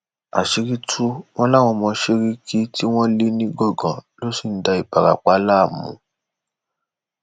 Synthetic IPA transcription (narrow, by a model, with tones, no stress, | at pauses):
a̰˨ʃe˧˦ɾi˦tʰu˦w̃ɔ̃˦la˦˨w̃ɔ̃˧mɔ̃˧ʃe˦ɾi˦kʰi˦ti˦w̃ɔ̃˦li˦nĩ˦ɡɔ˦˨ɡã˨lo˦si˨n̩˦da˧i˨ba˨ɾa̰˨k͡pa˨˦la˦˨mṵ̃˨˦